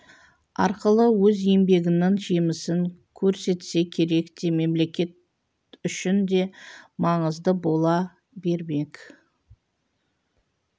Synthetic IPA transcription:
ɑ̰ɾqəlˠəwɵzembe̞ɡʲɪnɪŋʒemɪsɪŋkʲʰɵɾse̞t̪se̞kʲʰe̞ɾe̞kt̪e̞me̞mle̞kʲe̞t̪̚ | ʏʃɪnd̪e̞mɑɴəzd̪əbo̞lˠɑ | be̞ɾme̞k

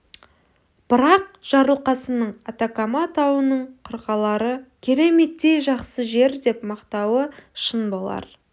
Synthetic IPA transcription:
b̥əɾɑq̚ʒ̥ɑɾəlˠqɑsənəɴɑt̪akamɑt̪ʰɑwənəɴqʰəɾqɑlˠɑɾəkʲʰe̞ɾe̞me̞t̪ːe̞jʒɑqsəʒe̞ɾd̪e̞pmɑqt̪ɑwəʃənbolˠɑ̰ɾ

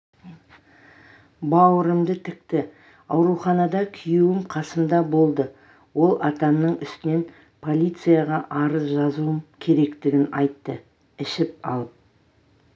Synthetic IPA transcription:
bɑwəɾəmd̪ət̪ʰɪkt̪ɪ | ɑwɾuχɑnɑd̪ɑkʲʰʏjuwɪmqʰɑsəmd̪ɑbo̞lˠd̪ə | wo̞lˠɑt̪ɑmnəɴʏst̪ɪne̞n | pʰo̞lʲijt̪sɨjaʁɑʔɑɾəzʒɑzuəmkʲʰe̞ɾe̞kt̪ɪɡʲɪnɑjt̪ːə | ɪʃɪp̚ɑ̰lˠəp̚

